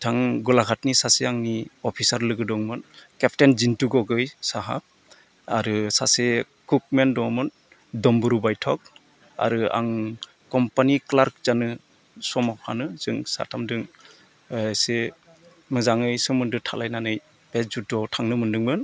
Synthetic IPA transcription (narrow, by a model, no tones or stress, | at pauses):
tʰaŋɡɔlaɡʰat̚nisaseaŋniɔpʰisaɾlɯɡɯdɔŋmɯnkep̚tenzintuɡɔɡɯjsaɦa̰p̚ | aɾɯsase | kuk̚mendɔŋmɯn | dɔmbuɾubajtʰɔk̚ | a̰ɾɯa̰ŋ | kɔmpaniklaɾk̚z̥anɯ | sɔmapʰanɯzɯŋsa̰tʰamdɯŋ | se | mɯzaŋɯjsɯmɯndɯtʰalajnanɯj | peszut̚dɔwtʰaŋnɯmɯndɯŋbɯn